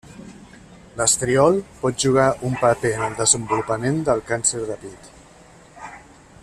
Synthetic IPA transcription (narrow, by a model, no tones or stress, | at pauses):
ləst̪ɾiɔlˠpɔt̪̚ʒuɣ̞aʔumpəpeənəlˠd̪əzəmbulupəmend̪əlˠkansəɾðəpit̪